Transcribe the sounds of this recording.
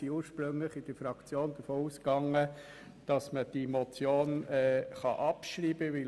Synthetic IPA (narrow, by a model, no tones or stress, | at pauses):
iuːɾʃpɾɵŋləχɪd̥əɾfɾɑkt͡sjoːnd̪əfoːuskɑŋːə | d̥ɑsməd̥imɔt͡sjoːnɛːχɑ̰ʔɑpʃɾiːbəʋɪl